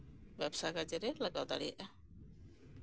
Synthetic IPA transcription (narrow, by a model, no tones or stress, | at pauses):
bɛbsajɡad͡ʒɛɾɛlaɡawd̪a̰ɽija̰ʔa